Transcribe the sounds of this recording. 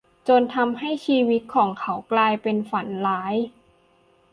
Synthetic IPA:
t͡ɕo˧nt̪ʰa˧mɦa˥˩jt͡ɕʰiː˧wi˦˥t̪̚kʰɔː˩˦ŋkʰa˦˥wklaː˧jpe˧nfa˩˦nlaː˦˥j

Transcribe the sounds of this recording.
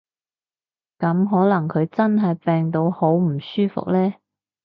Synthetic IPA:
kɐ˨˥mɦɔː˨˥lɐ˨˩ŋkʰɵ˨˧ɥt͡sɐ˥nɦɐ˨jpɛː˨˧ŋt̪o˨˧who˨˥wm̩˨˩syː˥fʊ̰˨k̚lɛː˥

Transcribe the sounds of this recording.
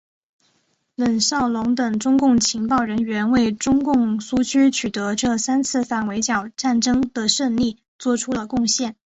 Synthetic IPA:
lə˨˩nsɑ˥˩ʊlʊ˧˥ŋt̪ɤ˨˩ŋʈ͡ʂʊ˥ŋkʊ˥˩ŋt͡ɕʰi˧˥ŋpɑ˥˩ʊɻə˧˥nɥɛ˧˥nwe˥˩ɪʈ͡ʂʊ˥ŋkʊ˥˩ŋsu˥t͡ɕʰy˥t͡ɕʰy˨˩t̪ɤ˧˥ʈ͡ʂɤ˥˩sa˥nt͡sʰɹ̩˥˩fa˥˩nwe˧˥ɪt͡ɕjɑ˨˩ʊʈ͡ʂa˥˩nʈ͡ʂɤ˥ŋd̪ə˨ʂə˥˧nli˥˩ | t͡swɔ˥˩ʈ͡ʂʰu˥lə˨kʊ˥˧ŋɕjɛ˥˩n

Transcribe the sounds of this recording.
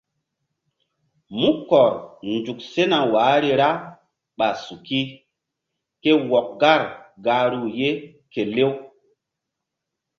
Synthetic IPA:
mu˦kɔ˨ɾnd͡ʒu˨k̚se˦na˨waː˨˦ɾi˦ɾa˦ | ɓa˨su˨ki˦ | ke˦wɔ˨k̚ɡa˦˨ɾɡa˨˦ɾu˦˨je˦ | ke˨le˦w

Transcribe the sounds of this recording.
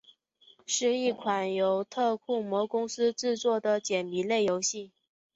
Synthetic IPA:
ʂɻ̩˥˧i˥˩kʰwa˨˩njo˧˥ʊt̪ʰɤ˥˧kʰu˥˩mwɔ˧˥kʊ˥ŋsɹ̩˥ʈ͡ʂɻ̩˥˧t͡swɔ˥˩d̪ə˩t͡ɕjɛ˨˩npi˧˥le˥˩ɪjo˧˥ʊɕi˥˩

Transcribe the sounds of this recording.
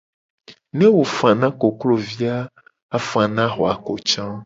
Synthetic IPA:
nẽ˦wo˨fã˨nã˦ko˨klo˦vi˦a˦ | a˦fã˨nã˦xɔ˨a˨ko˨t͡ʃã˦

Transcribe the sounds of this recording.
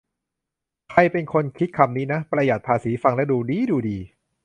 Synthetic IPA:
kʰa˧jpe˧nkʰo˧nkʰi˦˥t̪̚kʰa˧mniː˦˥na˦˥pɾa˧ja˨˩t̪̚pʰaː˧siː˩˦fa˧ŋlɛ˦˥duː˧diː˦˥duː˧diː˧

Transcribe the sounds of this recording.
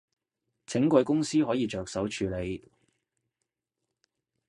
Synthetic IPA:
t͡sʰɪ˨˥ŋkʷɐ˧jkʊ˥ŋsiː˥ɦɔː˨˥jiː˨˧t͡ʃœː˨k̚sɐ˨˥wt͡ʃʰyː˨˧le˨˧j

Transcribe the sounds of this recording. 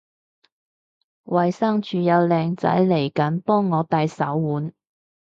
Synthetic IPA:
wɐ˨˩jsɐ˥ŋt͡ʃyː˨˧jɐ˨˧wlɛː˨ŋt͡sɐ̰˨˥jle˨˩jkɐ˨˥npɔː˥ŋːɔː˨˧t̪ɐ˧jsɐ˨˥wːuː˨˥n

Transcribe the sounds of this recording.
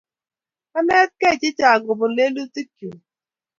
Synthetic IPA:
a˦nɛ˦t̚kɛ˦˨t͡ʃɪ˦t͡ʃa˨ɡo˨bo˨le˦lu˦ti˦kju˨

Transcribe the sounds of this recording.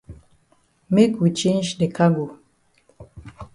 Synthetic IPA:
me˦kwi˨t͡ʃẽ˦nd͡ʒde˨ka˦ɡu˨

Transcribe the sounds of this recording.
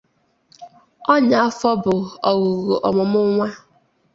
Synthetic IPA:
ɔ˦ɲa˨a˦fɔ˦bʊ˨ɔ˨ɣʊ˨ɣu˨ʔɔ̰˨mʊ˨mʊ˦ŋʷa˦

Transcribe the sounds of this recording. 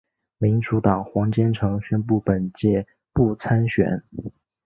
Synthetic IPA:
mi˧˥nʈ͡ʂu˧˥t̪ɑ˨˩ŋxwɑ˧˥ŋt͡ɕjɛ˥nʈ͡ʂʰɤ˧˥ŋɕɥɛ˥npu˥˩pə˨˩nt͡ɕjɛ˥˧ | pu˥˩t͡sʰa˥nɕɥɛ̰˨˩˦n

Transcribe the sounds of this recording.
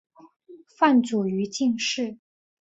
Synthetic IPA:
fa˥˩nt͡su˨˩y˧˥t͡ɕi˥˧ŋʂɻ̩˥˩

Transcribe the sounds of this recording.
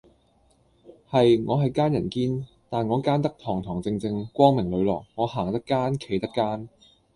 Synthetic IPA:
hɐ˨jŋɔː˨˧ɦɐ˨jkaː˥njɐ˨˩nkiː˥n | t̪aː˨nŋɔː˨˧kaː˥nt̪̬ɐ˥k̚t̪ʰɔː˨˩ŋt̪ʰɔː˨˩ŋt͡sɪ˧ŋt͡sɪ˧ŋkʷwɔː˥ŋmɪ˨˩ŋlɵ˨˧ɥlɔː˨˩k̚ŋɔː˨˧haː˨˩ŋt̪ɐ˥kːaː˥nkʰe˨˩jt̪ɐ˥kːaː˥n

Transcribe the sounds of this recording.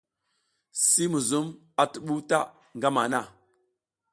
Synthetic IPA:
si˦mu˨zu˦m | a˨tə˨ɓu˦ta˦ | ŋɡa˦ma˨na˦˨

